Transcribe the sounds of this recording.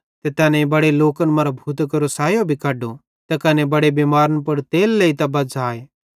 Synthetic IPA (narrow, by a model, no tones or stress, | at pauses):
t̪et̪ɛːnɛ̃ibɐɽeloːkənmɐɾbʱuːt̪kɐɾosaːjobʱikaːɖo | t̪ɐkɐnɛbɐɽebiːmaːɾənpɐɽt̪eːlːeit̪ɐbɐd͡zaːe